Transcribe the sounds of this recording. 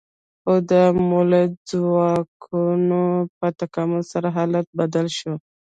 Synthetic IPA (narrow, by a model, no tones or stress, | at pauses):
xod̪əmolezwɑkʰunopət̪akamʊlsaɾaɦɑlat̪̚bad̪alʃo